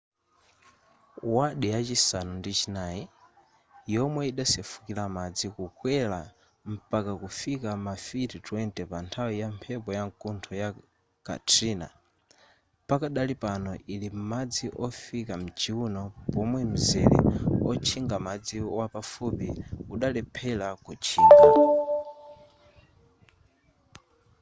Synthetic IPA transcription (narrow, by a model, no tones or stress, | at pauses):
waɗijat͡ʃisanundit͡ʃinaːji | jɔmwɛiɗasɛfu̥kilamad͡zikukwɛla | m̩pakakufikamafititwɛntɛpantʰawijampʰɛpɔjaŋkuntʰɔja | ka̰tʰina̰ | pakaɗalipanɔilim̩mad͡ziʔɔfikam̩d͡ʒiunɔpɔmwɛm̩zɛlɛ̰ɔt͡ʃʰiŋɡamad͡ziwapafupiuɗalɛpʰɛlakut͡ʃʰiːŋɡa